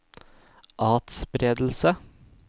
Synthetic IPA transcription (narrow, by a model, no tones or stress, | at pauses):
ʔɑːt̪sbɾeːd̪l̩sə